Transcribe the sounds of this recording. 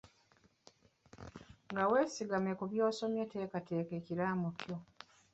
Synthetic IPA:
ŋɡawe̞ːsiɡamekuβjo̞ːso̞mjate̞ːkate̞ːkeciɾamukjo

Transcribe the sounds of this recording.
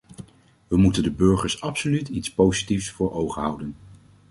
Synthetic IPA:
ʋəmutəndəbɵɹχəɹsɑpsolytitspowzitifsfʊːɹowχəɦɑwdən

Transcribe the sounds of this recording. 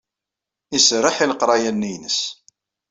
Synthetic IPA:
isrːəħiləqɾˤɑjænːijnəs

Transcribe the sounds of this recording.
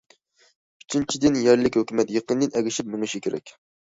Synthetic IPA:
yt͡ʃʰint͡ʃʰid̪ɪnjɛɾlɪkʲhøkʲymɛt̪jeqənd̪ɪnɛɡʲɪʃip̚mɪŋɨʃikʲʰeɾɛ̰kʲ

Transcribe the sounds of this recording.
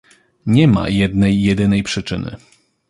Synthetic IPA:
ɲɛma̰jɛd̪nɛjːɛd̪ɘnɛjpʂɘt͡ʂɘ̰nɘ̰

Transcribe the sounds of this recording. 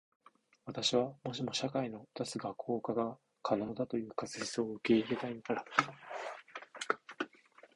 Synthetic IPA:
βat̪aɕiβ̞amo̞ɕ̬imo̞ɕakaino̞t̪asɨɡakʰːo̞ːkaɡa | kʰano̞ːd̪at̪o̞jɯ̟ːkasɨçi̥sɨoɯ̟ke̞iɾe̞t̪ainaɾa

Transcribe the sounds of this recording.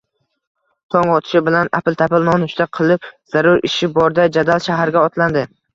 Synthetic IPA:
t̪ʰɒŋɒt̪ʰɪ̥ʃɪbɪlana̰pɪlˠt̪ʰapɪlˠmɒnʊt͡ʃt̪aqʰɨlˠɪpz̥aɾʊɾɪ̰ʃɪbɒɾd̪ad͡ʒad̪alˠʃaɦaɾɡʲaɒt̪land̪ɪ

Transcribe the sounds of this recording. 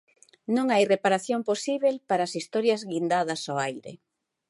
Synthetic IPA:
nõŋajrepaɾaθjoŋposiβelpaɾaːsist̪ɔɾjɐzɣind̪að̞ɐsoajɾḛ

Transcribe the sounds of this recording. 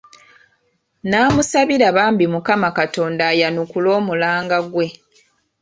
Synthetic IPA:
naːmusaβiɾaβaːmbimukamakato̞ːndaːjanukulo̞ːmulaːŋɡaɡwe̞

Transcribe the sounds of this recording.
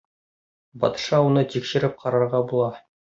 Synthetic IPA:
bɒ̰t̪ʃɑunɤt̪ikʃɘ̆ɾɘp̚qʰɑɾɑɾʁɑbulˠɑ

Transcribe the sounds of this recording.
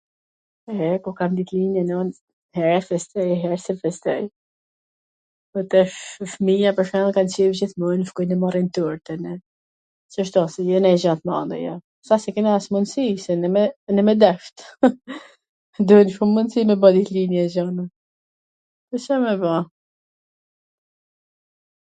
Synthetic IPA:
ɛkɔkamd̪it̪linjɛnɔn | hɛɾɛfɛst̪ɛjɦɛɾsɛfɛst̪ɛ̰j | ɔt̪ɛʃfmijapəʃalˠkant͡ʃivd͡ʑiθmunfkɔjnɛmɔɾint̪uɾt̪ɛnɛ | səʃt̪ɔsɛjɛnɛʒat̪ma̰nd̪ɛ̰jɔ | sasɛkɛniasmunsisɛnɛmɛnɛmɛd̪ɛft̪ | d̪uhɛnʃumːunsimɛbad̪iθlinjɛzana | ɛsɛmɛva

